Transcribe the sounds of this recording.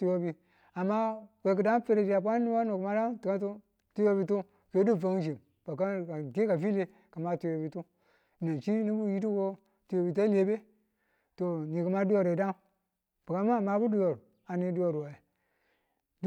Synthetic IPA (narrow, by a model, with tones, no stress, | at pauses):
tu˦jo˦bi˨ | a˨mːa˦wʷe˨k̬u˨da˦ŋ˦fe˦ɾe˨d͡ʒi˨ja˨p̬ʷa˦i˦wa˦nu˨ku˨ma˦da˦ŋti˨ka˦tu˦ | tu˦jo˦bi˦tu˦ | fe˨˦di˦˨va˨ŋ˦d͡ʒi˨m | ba˨ka˦a˨ɡe˦ka˨fi˦le˦ | ka˨ma˨˦tu˦jo˨bi˨˦tu˦˨ | na˨t͡ʃi˦ni˦bu˦ji˦ti˦ɡo˦ | tu˨jo˨bi˨t̬a˦le˨be˦ | to˨ni˨ku˨ma˦du˦jo˦ɾe˨da˦ŋ | b̥u˨ɡa˦ma˦˨ma˨˦bu˦du˦jo˨ɾ | a˨ni˦du˦jo˨ɾa˨i˨ | d